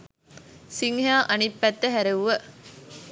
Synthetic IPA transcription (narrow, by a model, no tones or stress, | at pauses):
siŋhjaːʔɐnipːæt̪ːəɦæɾeʋuʋə